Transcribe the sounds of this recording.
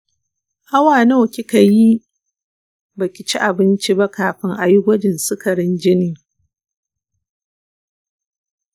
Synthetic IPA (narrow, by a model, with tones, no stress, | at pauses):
ha˦waː˨no˦wkʲi˦ka˨ji˦ | ba˨kʲɪ˨t͡ʃi˦ʔa˨bɪ˦nt͡ʃi˦ba˦kaː˨ɸɪ˦ŋʔa˨jʊ˦ɡʷɔ˦d͡ʒɪ˨nsɪ˦kɐ˨ɾɪ˦nd͡ʒɪ˦niː˨